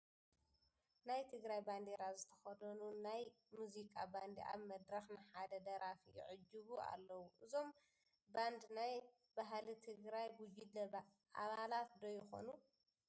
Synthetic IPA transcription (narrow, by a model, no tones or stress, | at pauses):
najt̪ʰɨɡɾajband̪eɾazɨt̪ʰɐ̥xɐd̪ɐnunaj | muzikʼaband̪iʔa̰βmɐd̪ɾɐxnɨħad̪ɐd̪ɐɾafijɪ̰ʕʊd͡ʒːuβua̰lːɐwuʔɨzo̞m | band̪naj | baɦlit̪ʰɨɡɾajbud͡ʒid̪ɐ | ʔa̰βalat̪d̪ojɪxo̞̰nu